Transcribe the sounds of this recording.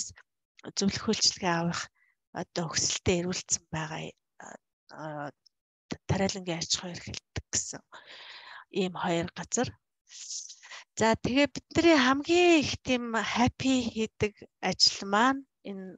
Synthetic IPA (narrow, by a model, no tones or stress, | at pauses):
s | t͡sɵwɮɵ̆xuːɬt͡ɕɪɮɣiːawə̆χ | ɔ̰t̪ɔɵxsɘ̆ɬt̪eːeɾuːɬt̪sə̆mpæːʁa̰ː | t̪ʰːæɾʲæːɮə̆ŋɡʲiːḁt͡ɕ̆χʊːerxĕɮt̪ːə̥̆k̚ɡe̥sɘ̰̆ŋ | iːmχɔjɞ̆rɢat͡sə̆r | t͡saːt̪ʰeɣeːt̪̚pit̪̚nĕɾiːŋχæmɡʲiːŋext̪ʰimχapʰixet̪ɘ̆kat͡ɕɪ̆ɮmaːn | en